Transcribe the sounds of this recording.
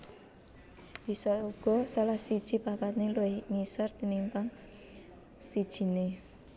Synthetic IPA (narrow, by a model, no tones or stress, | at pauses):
b̥i̤sɔuɡ̥ɔ̤salahsid̥ʒ̥i̤papat̪̚niluɪhŋisart̪inimpaŋ | sid̥ʒ̥i̤ne